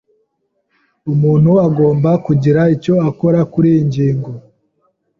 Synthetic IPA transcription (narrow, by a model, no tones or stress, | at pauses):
umuːn̥huaɡo̞ːmbakuɟiɾaico̞ako̞ɾakuɾiiɲɟiːŋɡo